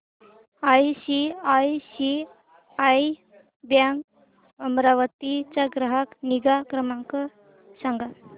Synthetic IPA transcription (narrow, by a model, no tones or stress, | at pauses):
ajsiajsi | aj | bjaŋɡ | əmɾaʋət̪it͡saɡɾəɦakniɡakɾəmãŋkə | saŋɡa